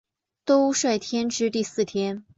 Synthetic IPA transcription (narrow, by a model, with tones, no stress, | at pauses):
t̪o˥ʊʂwa˥˩ɪt̪ʰjɛ˥nʈ͡ʂɻ̩˥t̪i˥˧sɹ̩˥˩t̪ʰjɛ˥n